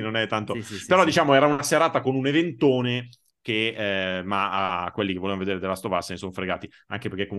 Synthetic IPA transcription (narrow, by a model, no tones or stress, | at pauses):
nonɛt̪ːant̪opeɾɔd̪it͡ʃaːmoɛːɾaunaseɾaːt̪akonunevent̪oːne | k̟emaakːwelːikevːolevanoved̪eːɾed̪elːast̪ovasːenesonfɾeɡa̰ːt̪i | a̰ŋkepeɾkekːom